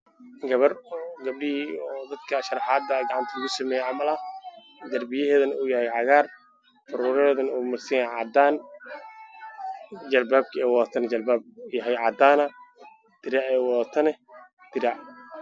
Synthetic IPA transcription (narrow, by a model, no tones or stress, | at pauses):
ɡɐβɐrɡɐb̚ɖɪhiɔːd̪ɐd̪kʰɐʃɐɾɑħɑːd̪ɐɡɑʕɑnt̪ʰɐlɐɣʊsɐmɛːjɛʕɑmɐlɐ | d̪ɐrbɪjɐɦɛːðɐnuːjɐhɛjʕɑɣaːr | fʊɾuːɾɐɛːðɐnuːmɐrsɐjaʕɑd̪aːn | d͡ʒɐlbaːb̚kʰɛːwɔt̪ʰɐnd͡ʒɐlbaːb̚jɐɦɛjʕɑːd̪aːnɐ | d̪̥ɪɾaʔɛːwɔt̪ʰɐnɛ | d̪̥ɪɾaʔ